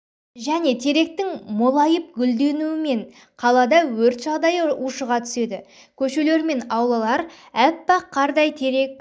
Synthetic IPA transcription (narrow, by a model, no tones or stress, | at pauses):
ʒæne̞t̪ʰe̞ɾe̞k̚t̪ɪŋmolˠɑjəp̚ɡʲʏld̪e̞nuwɪme̞ɴ | qʰɑlˠɑd̪ɑwɵɾt̪ʒɑʁd̪ɑjəʔuʃəʁɑt̪ʰʏ̥se̞d̪ɪ | kʲʰɵʃe̞le̞ɾme̞nɑwlˠɑlˠɑɾ | æpːɑqʰːɑɾd̪ɑjt̪ʰe̞ɾe̞k̚